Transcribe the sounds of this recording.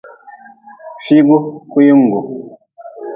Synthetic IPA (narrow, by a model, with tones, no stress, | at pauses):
fi˦ɡo˦ku˦ji˦ŋ̩˨ɡo˨